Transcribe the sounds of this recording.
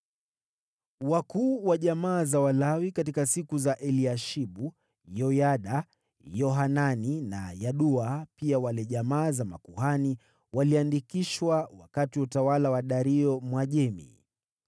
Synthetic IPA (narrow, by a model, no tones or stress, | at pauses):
wakuːwaʄamaːzawalawikatikasikuzaʔɛliaʃiɓu | jɔjaɗa | jɔɦananina̰jaɗuapiawalɛʄamaːzamakuhani | waliandikiʃwawa̰katiutawalawaɗaɾiɔmwaʄɛmḭ